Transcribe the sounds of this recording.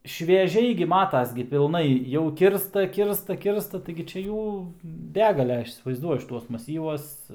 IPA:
ʃʲʋʲiɛˈʒʲɛɪ ɡʲɪ ˈmɑːtɐs ɡʲɪ pʲɪlˠˈnɐɪ jɛʊ ˈkʲɪrstɐ ˈkʲɪrstɐ ˈkʲɪrstɐ tɐɪɡʲɪ ˈt͡ʃʲɛ ˈjuː ˈbʲæːɡɐlʲɛ ˈɐʃ iːsʲɪʋɐɪzˈduɔjʊ ʃʲɪˈtuɔs mɐˈsʲiːʋuɔs

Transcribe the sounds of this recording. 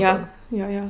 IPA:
ˈjoː ˈjoː ˈjoː

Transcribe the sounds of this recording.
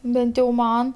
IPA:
ˈbʲɛnt jɛʊ ˈmɐn

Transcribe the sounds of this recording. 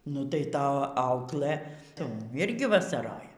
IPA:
nʊ tɐɪ ˈtɐ ˈɐʊklˠɘ ˈtʊm ˈɪrʲɡʲɪ ʋɐsɐˈroːjɛ

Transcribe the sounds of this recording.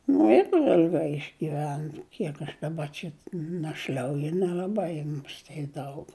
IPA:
nʊ ɪr ɪlʲˈɡɐɪ ɪʒʲɡʲɪˈʋʲɛn ˈkʲiɛk ɐʃ dɐˈbɐ t͡ʃʲɛ nɐʃʲˈlʲɐʊjʊ nʲɛlʲɐˈbɐɪ mʊˈsʲtʲeː ˈdɐʊk

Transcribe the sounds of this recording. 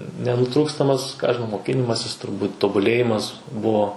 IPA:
nʲɛnʊˈtruːkstɐmɐs kɑː ɐʃ ʒʲɪˈnɐʊ moːˈkʲɪnʲɪmɐsʲɪs tʊrˈbuːtʲ toːbʊˈlʲeːjɪmɐs ˈbʊʋoː

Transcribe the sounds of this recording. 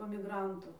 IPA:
poː mʲɪˈɡrɐntuː

